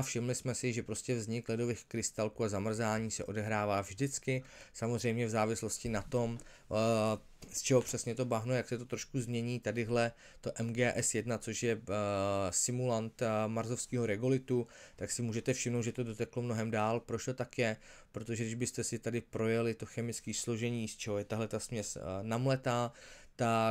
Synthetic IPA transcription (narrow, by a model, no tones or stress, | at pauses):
afʃɪmlɪsmɛsɪʒɛpɾo̞scɛvzɲɪklɛdo̞vɪxkɾɪst̪alkuːazamr̩zaːɲiːsɛʔo̞dɛɦɾaːvaːvʒdɪt͡skɪsamo̞zrɛjmɲɛvzaːvɪslo̞scɪnat̪o̞m | st͡ʃɛɦopr̥ɛsɲɛt̪o̞baɦnojaksɛt̪ot̪ɾoʃkuzmɲɛɲiːt̪adɪɦlɛ | t̪o̞ʔɛmɡɛːʔɛsjɛdnat͡soʃjɛ | sɪmulant̪maɾzofskiːɦo̞ɾɛɡulɪt̪ut̪aksɪmuːʒɛt̪ɛfʃɪmnowd̪ʒɛt̪o̞dot̪ɛklomnoɦɛmdaːlpɾoʃt̪ot̪akjɛpɾot̪oʒɛdɪʒbɪst̪ɛsɪt̪adɪpɾo̞jɛlɪt̪o̞xɛmɪt͡skiːslo̞ʒɛɲiːst͡ʃʰɛɦojɛt̪aɦlɛt̪asmɲɛsnamlɛt̪aːt̪a